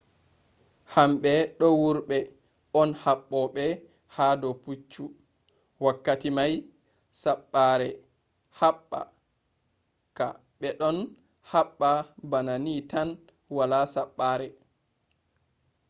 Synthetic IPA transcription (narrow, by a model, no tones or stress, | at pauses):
hamɓɛɗɔwuɾɓɛ | ɔnhaɓːɔɓɛ | haːdɔput͡ʃːu | wakːatimaj | saɓːaɾɛ | haɓːa̰ | ka | ɓɛɗɔn | haɓːabananitan | walasaɓːaːɾɛ